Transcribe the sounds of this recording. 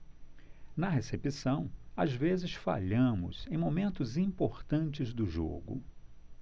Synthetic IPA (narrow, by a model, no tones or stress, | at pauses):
nɐɦesepisɐ̃w̃azvezɪsfa̰ʎɐ̃mʊ̰zẽj̃momẽnt̪ʊzĩmpoɾt̪ɐ̃nt͡ʃɪzd̪ʊʒo̰ɡʊ̰